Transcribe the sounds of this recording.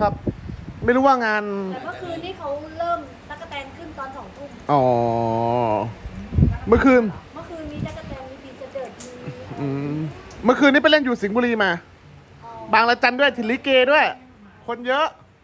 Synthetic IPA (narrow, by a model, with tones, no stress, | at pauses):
kʰa˦˥p̚ma˥˩jɾuː˦˥wa˥˩ŋaː˧nː˨˩mɯː˦˥˩kʰɯː˧nːiː˦˥kʰa˦˥wɾɤː˥˩m | ta˦˥ka˧t̪ɛː˧ŋkʰɯ˥˩nt̪ɔː˧nsɔː˩˦ŋt̪ʰu˥˩nʔɔː˩ | mɯ˧˥˨kʰɯː˧nmɯ˥˩˨kʰɯː˧nːiː˦˥ta˦˥t̪ka˧˩t̪ɛː˧ŋi˧˥piː˧t͡ɕa˨˩dɤː˨˩t̪̚ʔʔɯː˧mɯ˥˨kʰɯː˧nːi˦˥pa˧le˥˩njuː˨˩si˨˩˦ŋbuː˧liː˧maː˧ | baː˧ŋla˧t͡ɕa˧ndu˥˩əjt̪ʰi˧˩li˦˥keː˧du˥˩əj | kʰo˧njɤ˦˥ʔ